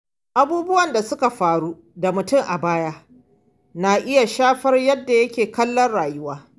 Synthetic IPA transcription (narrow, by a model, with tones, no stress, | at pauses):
ʔa˦buː˦bʊ˦wɐ˨nda˨sʊ˦ka˨ɸaː˨ɽuː˦ | da˨mʊ˨tʊ˦ŋʔa˨baː˦jaː˦ | na˨ʔɪ˦ja˨ʃaː˦ɸɐ˦rjɐ˦dːa˨jɐ˦kʲeː˨kɐ˦lːɐ˦nɽaː˨jʊ˦waː˦